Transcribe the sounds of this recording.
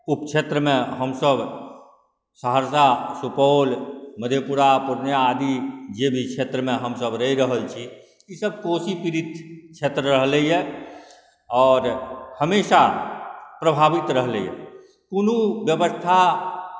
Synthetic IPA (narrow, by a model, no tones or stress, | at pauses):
upt͡ʃʰet̪ɾəmẽɦəmsəb | səɦəɾsasupolməd̪ʱjepuɾapuɾnjaːd̪id͡ʒebʱit͡ʃʰet̪ɾəmeɦəmsəbɾəɦiɾəɦəlt͡ʃʰi | isəb̚kosipiɾit̪ʰt͡ʃʰet̪ɾəɾəɦləje | ɔːɾhəmesa | pɾəbʱabit̪ɾəɦləjḛ | kunubjəbəst̪ʰa